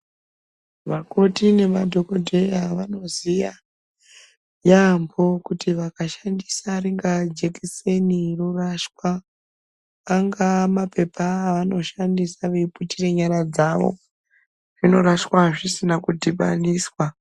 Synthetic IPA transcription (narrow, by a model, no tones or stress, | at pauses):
ʋako̞tine̞madʱoko̞dʱe̞jaʋano̞zija | jambo̞kutʰiʋakaʃandisaɾiŋɡad͡ʒekiseniroraʃkwa | ŋɡamape̞pʰaʋano̞ʃandisaʋeiputire̞ɲaɾad͡zaʋo̞̰ | ʐino̞ɾaʃkwaʐisinakudʱipa̰niːswa